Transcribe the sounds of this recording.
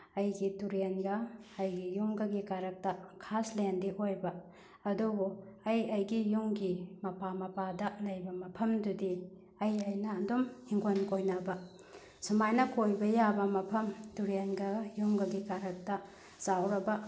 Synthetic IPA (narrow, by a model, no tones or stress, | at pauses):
ɐjɡituɾenɡɐɐjɡijuŋɡɐɡikaɾɐk̚tɐkʰaslendiʔojbɐ | ɐdubuɐjɐjɡijuŋɡimɐpamɐpadɐlɐjbɐmɐpʰɐmdudi | ɐjɐjnɐndomhiŋɡonkojnɐbɐ | sumajnɐkojbɐjabɐmɐpʰɐmtuɾenɡɐjuŋɡɐɡikaɾɐk̚tɐ | sawɾɐbɐ